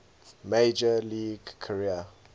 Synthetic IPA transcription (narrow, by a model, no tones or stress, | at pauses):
med͡ʒəliːɡkʰəɹiə